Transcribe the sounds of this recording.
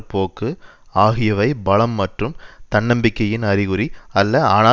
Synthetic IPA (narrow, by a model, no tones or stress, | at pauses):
poːkːɯ | aːɣɪjɐʋɐɪbɐɭɐmːɐʈrɯmt̪ɐɳːɐmbɪkːɐjɪnɐɾɪɣɯɾiɐlːɐaːnaː